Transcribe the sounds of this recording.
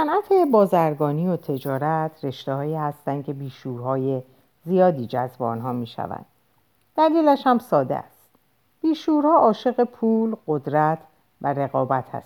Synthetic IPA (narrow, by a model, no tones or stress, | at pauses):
sænʔæt̪ʰe̞bɒːzæɾɡɒːniːjot̪ʰe̞d͡ʒɒːɾæt̪ʰre̞ʃt̪ehɒːiːhæst̪ænd̪̥̚cʰe̞biːʃuːɾɦɒːje | zijɒːd̪iːd͡ʒæzbeɒ̰ːnɦɒːmiːʃæ̰væ̰nd̪̥ | d̪̥æliːlæʃhæmsɒːd̪ḛæ̰st̪ | b̥iːʃuːɾhɒːʔɒːʃe̞ɣe̞pʰuːlɢod̪ɾæt̪ʰ | væɾe̞ɣɒːbæt̪ʰhæ̰st̪